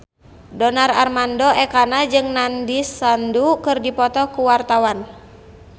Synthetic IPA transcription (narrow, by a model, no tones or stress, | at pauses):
dɔnararmandɔɛkanad͡ʒɨŋnandisandukɨrdipɔt̪ɔkuwart̪awan